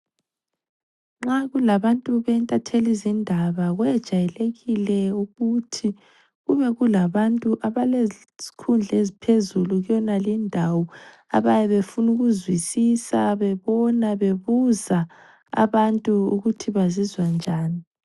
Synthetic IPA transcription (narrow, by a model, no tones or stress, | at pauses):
ŋ͡ǁaɣulaβantʼuβɛntʼatʰelizindʱaβaɣwɛd̥ʒ̥ʱajɛleɣilɛuɣutʰi | ɣuβɛɣulaβantʼuʔaβale | z̥i̥kʰund͡ɮʱezipʰezuluɣjɔnalindʱawɔ | a̰βajɛβefunuɣuzwisisaβɛβɔnaβeβuza | a̰βantʼuuɣutʰiβazizwand͡ʒʱaːni